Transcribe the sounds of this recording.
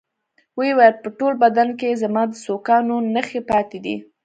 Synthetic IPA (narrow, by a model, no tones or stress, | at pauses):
wewɑjad̪̚pəʈolbad̪ankezamɑd̪əsokɑnonəxepɑt̪ed̪ḭ